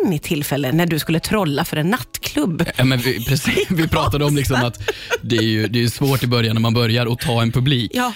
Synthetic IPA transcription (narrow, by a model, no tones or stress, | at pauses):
nːɪt̪ʰːɪlfɛlːənæɖɵskɵlːət̪ʰɾɔlːafœɾɛnːat̪ːkʰlɵbːjɑːmɛnvɪpʰɾɛsivɪpʰɾɑːt̪ad̪əɔmlɪksɔmat̪d̪ɛæjɵd̪ɛːjɵsvoːʈɪbœɾjanːæɾmanbœɾjaɾɔt̪ʰɑːɛnpʰɵbliːkː